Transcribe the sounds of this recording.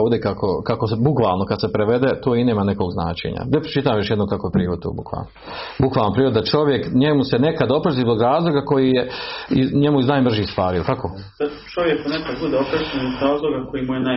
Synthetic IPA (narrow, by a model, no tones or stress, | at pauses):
od̪ekakʰokakosbukʋa̰ːlˠnokad̪sepɾeʋed̪et̪oːineːmaneko̞ːɡzna̰ːt͡ʃḛːɲa̰d̪epɾe̥t͡ʃit̪aːamjo̞ʃjed̪nokakoepɾiːɾod̪t̪o̰ːbṵkʋa̰ːlno | bukʋaːlnopɾiːɾod̪d̪at͡ʃo̞ʋje̞kɲemusenekad̪o̞pɾaziːzbo̞ɡɾaːzlˠoːɡako̞jijeiɲemuiznaːjmr̩ʒiːst̪ʋaːɾiilk̪ako | a | t͡ʃoʋjekkonekad̪bud̪eopɾaʃenozɾaːzlˠoɡako̞jimujena